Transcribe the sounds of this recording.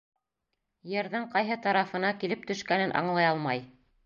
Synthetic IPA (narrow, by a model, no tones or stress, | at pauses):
jɘ̆ɾðæɴqɑjɦɤt̪ɑɾɑfɤ̆nɑkilɘp̚t̪ɵ̆ʃkænɘnʔɑ̰ɴlˠɑjɑlˠmɑj